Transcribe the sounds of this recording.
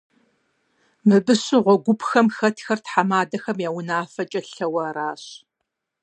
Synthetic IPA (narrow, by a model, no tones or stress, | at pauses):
mɨbɨɕɪʁʷɔɡʷʊpxɐmxɐtʰxɐrtħamaːdɐxɐmjaːwʊnaːfɐt͡ʃʼɐɬɐwɐraːɕ